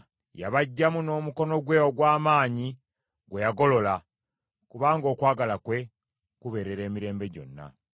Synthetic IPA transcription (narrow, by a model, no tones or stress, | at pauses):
jaβaɟːamuno̞ːmuko̞no̞ɡwewoɡwaːmaːɲi | ɡwe̞jaɡo̞lo̞la | kuβaːŋɡo̞ːkwaːɡalakwe̞ | kuβeɾe̞ɾe̞ːmiɾe̞ːmbe̞ɟo̞̰nːa̰